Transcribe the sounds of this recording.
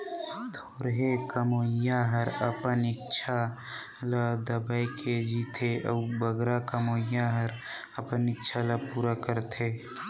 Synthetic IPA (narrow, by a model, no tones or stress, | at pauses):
t̪ʰoːɾɦekəmoːjaɦəɾəpənɪkt͡ʃʰa | lad̪əbaikʰed͡ʒiːt̪ʰeʔəbəɡɾakəmoːjãɦəɾ | əpənɪkːt͡ʃʰaləpuːɾakəɾt̪ʰeː